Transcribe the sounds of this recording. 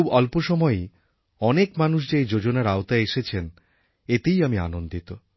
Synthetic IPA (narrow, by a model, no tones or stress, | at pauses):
ubɔlpoʃɔmɔe | ɔnekmanuʃ̬d͡ʑajd͡ʑod͡ʑonaɾaot̪aeʃet͡ɕʰen | et̪ejamia̰nond̪it̪o